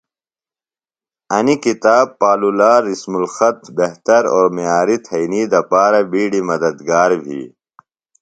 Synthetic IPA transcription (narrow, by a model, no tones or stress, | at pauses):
ɐnikit̪aːbpːaːlulaːɾismulxɐt̪ʰbehɦt̪ɐɾoːɾmijaːɾit̪ʰɐiniːd̪ɐpaːɾɐbiːɽimɐd̪ɐd̪ɡaːɾbʱḭː